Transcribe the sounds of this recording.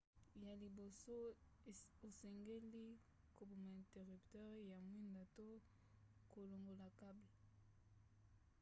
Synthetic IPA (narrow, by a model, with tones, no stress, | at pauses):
ja˨li˨bo˨so˦ | o˨sɛ˨ŋɡe˦li˦ | ko˨bo˨ma˨ɛ̃˨te˨ʁy˨ptwa˦ʁja˨mwi˦nda˨to˦ | ko˨lo˨ŋɡo˨la˨ka˦bi˨